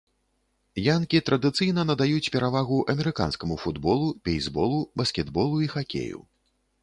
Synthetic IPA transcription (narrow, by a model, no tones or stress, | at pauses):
jankʲit̪ɾɐd̪ɨt̪sɨjnɐnɐd̪ajut͡sʲpʲɛɾʔavaɣuʔɐmʲɛɾɨka̰nskɐmufud̪bɔlˠupʲejzbɔlˠubɐskʲɛd̪bɔlˠuixakʲḛjṵ